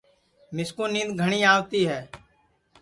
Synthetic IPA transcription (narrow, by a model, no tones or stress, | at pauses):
mɪskuːnĩːd̪ɡʱəɳ̃iːaːʋt̪iːɦɛː